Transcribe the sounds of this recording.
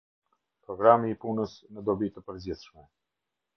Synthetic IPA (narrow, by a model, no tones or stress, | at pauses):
pɾɔɡɾamiːpunəsnəd̪ɔbit̪əpəɾd͡ʑiθʃmɛ